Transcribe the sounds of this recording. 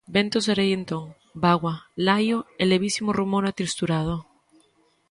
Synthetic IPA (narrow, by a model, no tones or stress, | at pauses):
bent̪oseɾejent̪oŋ | baɣwalajoeleβ̞isimorumoɾat̪ɾist̪uɾað̞o